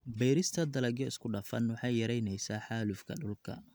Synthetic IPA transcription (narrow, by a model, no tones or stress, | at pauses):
bɛjɾɪst̪ʰɐd̪ɐlɐɡjɔɪskʰʊɖɐfɐnwɑħɑjjɐɾɛjnɛjsaːħaːlʊfkʰɐɖʊlkʰɐ̰